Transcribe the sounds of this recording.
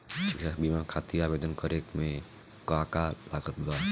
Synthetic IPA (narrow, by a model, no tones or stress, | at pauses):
isabimãkʰat̪iɾabeːd̪ənkəɾekmẽ | kakalaɡət̪ɡa